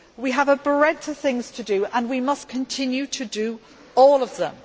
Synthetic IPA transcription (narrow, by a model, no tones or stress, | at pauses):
wiəvəbɹɛ̃tʰə̥θɪ̃ŋz̥tʰədəə̃nwimʌskʰə̃ntʰɪ̃njʉtʰədə | ɔːləvðə̰̃m